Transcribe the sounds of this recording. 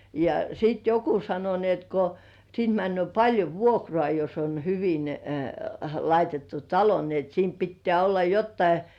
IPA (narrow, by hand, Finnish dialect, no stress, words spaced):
jɑ siˑt joku sɑno ni et ko siːnt mænːy̆øˑ pɑlʲjo ʋuokrŏɑˑ jos on hyʋin lɑitetːu tɑlo ni et siːm pitːĕæˑ olːɑ jotːɑi